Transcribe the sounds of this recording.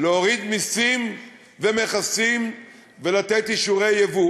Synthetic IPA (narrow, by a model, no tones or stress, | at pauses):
leoʁid̪misim | veme̞χasim | velat̪et̪iʃuʁe̞jevu